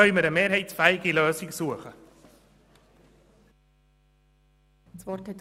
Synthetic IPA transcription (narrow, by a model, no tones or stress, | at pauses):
œʏməɾəmeːɾɦhɛɪtsfæːɪɡiløːsɪksuəχə | sʋɔrthɛt̪